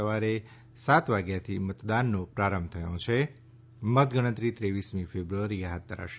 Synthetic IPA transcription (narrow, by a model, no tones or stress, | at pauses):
əʋaɾe | sat̪ʋaɡjat̪ʰimət̪d̪anːõpɾaɾəmb̚t̪ʰəjõt͡ʃʰe | mət̪ɡəɽ̃ə̃t̪ɾit̪ɾeʋismĩfebɾuəɾieɦat̪̚d̪ʱəɾa̰ʃe